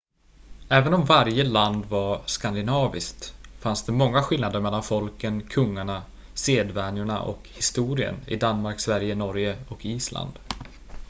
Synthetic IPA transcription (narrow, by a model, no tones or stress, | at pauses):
ɛːvənɔmvaɾjəland̪vaɾskand̪ɪnɑːvɪskt̪fansd̪ɛmɔŋːaɧɪlnad̪əɾmɛlːanfɔlkənkʰɵŋːaɳa | seːd̪vɛnjʊɳa̰ʔɔ̰khɪst̪uːɾɪə̰nɪ̰d̪anmaɾksvæɾjənɔɾjəɔkiːsla̰nd̪̥